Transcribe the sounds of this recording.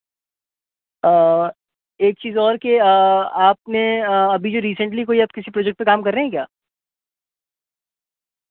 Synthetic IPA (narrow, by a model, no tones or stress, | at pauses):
əː | eːk̚t͡ʃiːzɔːɾkeəaːp̚neɐbʱid͡ʒoɾiːsə̃ɳʈlikoːiaːp̚kɪsipɾoːd͡ʒɛk̚ʈ̚pekaːmkɐɾːɐɦɛ̃kja̰ː